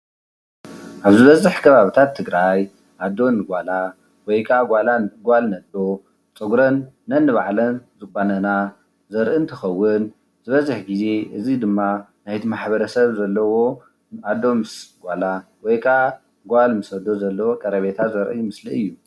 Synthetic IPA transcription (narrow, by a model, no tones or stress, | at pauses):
ʔaβzɨβɐzɨħkʰɐβaβit̪ʰat̪ʰːɨɡɾaj | ʔad̪ːo̞nɨɡʷala | wɔjkʰaɡʷalanɡalnɐd̪o̞ | t͡sʼɨɡɾɐnː | ɐnːɨβaʕlɐnzɨkʷʼːanɐna | zɐɾʔɨnt̪ʰɐxɐwːʊn | zɨβɐzɨħɡize̞ʔɨzid̪ɨmːa | najt̪ʰimaħbɐɾɐsɐβzɐlːɐwo̞ | ad̪ːo̞mɨsɡʷalawɔjkʰa | ɡʷalmɨsɐd̪o̞zɐlːɐwo̞kʼɐɾɐβet̪ʰazɐɾʔɨmɨsliɨjːu